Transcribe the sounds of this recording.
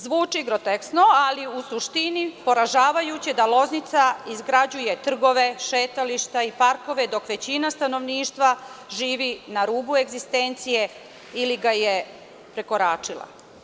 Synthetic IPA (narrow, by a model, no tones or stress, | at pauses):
zʋuːt͡ʂiɡɾot̪eksno̞aliusuʃt̪inipo̞ɾaʒaːʋajut͡ɕid̪alˠo̞znit̪saizɡɾad͡ʑuje̞t̪r̩ɡo̞ʋe̞ʃeːt̪aliʃt̪aipaɾko̞ʋe̞d̪o̞kʋe̞t͡ɕinast̪ano̞ʋniːʃt̪ʋaʒiːʋinaɾuːbue̞ɡzist̪eːnt̪sije̞ | iliɡaje | pɾe̞ko̞ɾaːt͡ʂilˠa̰